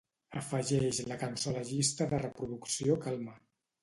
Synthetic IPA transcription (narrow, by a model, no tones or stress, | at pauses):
əfəʒɛʃləkənsɔləʒist̪əðərəpɾuðuksiokalˠma